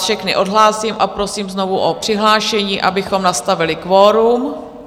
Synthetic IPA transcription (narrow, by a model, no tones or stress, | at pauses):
fʃɛxnɪ̰ʔo̞dɦlaːsiːmʔapɾo̞siːmzno̞vuʔopr̥ɪɦlaːʃɛɲiːʔa̰bɪxo̞mnast̪avɪlɪkvoːɾum